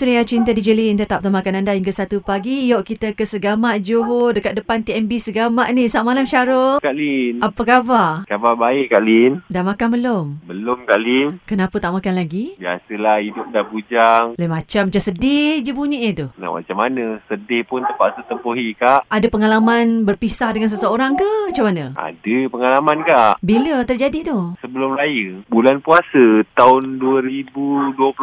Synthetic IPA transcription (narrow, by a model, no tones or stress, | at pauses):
sɾiat͡ʃint̪adid͡ʒəlint̪ət̪ap̚t̪aʔmakanandaiŋkəsat̪upaɡijɔʔkit̪əkəsəɡamaʔd͡ʒoɦodəkat̪̚dəpant̪iɛmbisəɡamaʔnisaʔmalamʃaɾokaʔlinapəkabakababaɪʔkaʔlindamakanbəlʊmbəlʊmkaʔlinkənapət̪aʔmakanlaɡibia̰səlahhidʊp̚dahbud͡ʒaŋlamat͡ʃamːat͡ʃansədɪhd͡ʒəbuɲiʔɲət̪una̰ma̰t͡ʃamanəsədɪhpʊnt̪əmpaʔsət̪əmpoɦikaʔʔadapəŋalamanbərpisahdəŋans̬əsəoɾaŋkamat͡ʃamanə̃ʔa̰dəpəŋalamankaʔbilət̪ərd͡ʒadit̪ʊhsəbəlʊmrajəbulanpuasət̪aʊnduəɾibuduəp